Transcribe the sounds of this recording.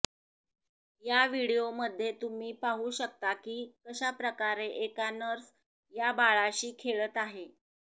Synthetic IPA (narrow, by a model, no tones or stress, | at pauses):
jaʋiɽijoməd̪ʱːjet̪um̤iːpaɦuːɕək̚t̪akiːkəɕapɾəkaɾeʔekanəɾs | jabaɭaɕiːkʰeɭət̪aɦe